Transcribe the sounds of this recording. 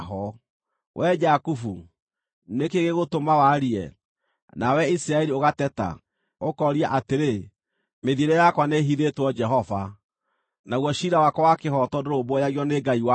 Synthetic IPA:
ɦɔ | wʔɛd͡ʒakufu | nekeɣeɣotomawaɾiɛ̰ | nawɛisiɾaeɾioɣatɛta̰ | okɔɾiaʔateɾe | meðieɾɔjakwaneɦiðetwɔd͡ʒɛɦɔva | naɣwɔʃiɾawakɔwakehɔtɔdoɾobwɔjaɣiɔneɡaiwa

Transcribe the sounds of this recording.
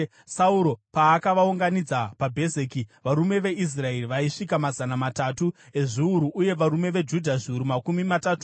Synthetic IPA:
sauɾo̞paːkaʋauŋɡanid͡zapabʱe̞zeːkiʋaɾume̞ʋe̞is̬rae̞riʋaiʂikamazanamatatue̞ʐiuɾuʔːje̞ʋaɾume̞ʋe̞d͡ʒudʱaʐiuɾumakumimatatu̥

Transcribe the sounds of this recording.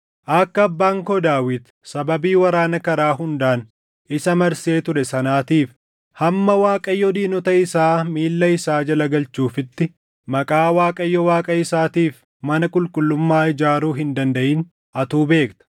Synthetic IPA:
ʔɐkːɐːbːaːŋkɔd̪aːwɪd̪ | sɐbɐbiːwɐɾaːnɐkɐɾaːɦʊnd̪aːn | ɪsɐmɐɾse̞ːt̪ʊɾɛsɐnaːt̪iːf | hɐmːɐwaːkʼɐjːɔd̪iːnɔt̪ɐɪsaːmiːlːɐɪsaːd͡ʒɐlɐɡɐlt͡ʃuːfɪt̪ːɪ | mɐkʼaːwaːkʼɐjːɔwaːkʼɐɪsaːt̪iːf | mɐnɐkʼʊlkʼʊlːʊmːaːɪd͡ʒaːɾuːɦɪnd̪ɐnd̪ɐʔiːn | ʔɐt̪uːbe̞ːkt̪ɐ̥

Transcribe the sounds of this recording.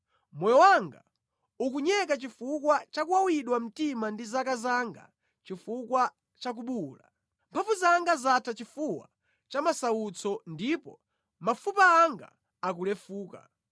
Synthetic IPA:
mɔjɔwaŋɡa̰ | ukuɲɛk̬at͡ʃifukwat͡ʃakuwawiɗwam̩timandizakazaŋɡa̰ | t͡ʃifukwa | t͡ʃak̬uɓula̰ | mpʰafuzaŋɡazatʰat͡ʃifuwa̰ | t͡ʃamasaut͡sʰɔndipɔ | mafupaːŋɡa̰ː | k̬ulɛfuːka̰

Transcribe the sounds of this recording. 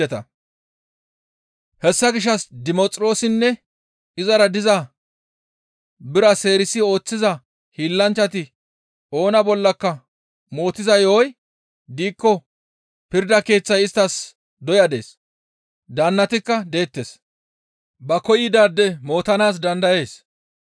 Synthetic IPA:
ɛt̪ɐ | hɛsːɐɡɪʃ̬ːɐsd̪ɪmɔt͡sʼɾo̞ːsɪnːɛ | ɪzɐɾɐd̪ɪzɐ | bɪɾɐse̞ːɾɪsɪo̞ːt͡sːɪzɐ | hiːlːɐnt͡ʃːɐt̪ɪ | o̞ːnɐbɔlːɐkːɐ | mo̞ːt̪ːɪzɐjoːj | d̪iːkːɔ | pɪɾd̪ɐke̞ːt͡sːɐjɪst̪ːɐs | d̪ɔjɐd̪e̞̰ːs | d̪ɐnːɐt̪ɪkːɐd̪e̞ːt̪ːes | bɐkɔjɪd̪aːd̪ːɛmo̞ːt̪ɐnaːs̬d̪ɐnd̪ɐje̞ːs

